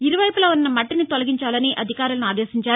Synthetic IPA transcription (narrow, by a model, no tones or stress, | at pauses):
iɾuʋɐjpulɐːunːɐmɐʈːinit̪ɔlɐɡiɲt͡ʃaːlɐniʔɐd̪ʱikaːɾulɐnuaːd̪ɛːsiɲt͡ʃaːɾ